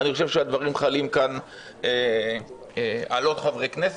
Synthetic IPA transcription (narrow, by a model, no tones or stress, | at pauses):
niχoʃe̞vʃead̪vaʁimχalimkan | e | alo̞t̪χavʁejkne̞s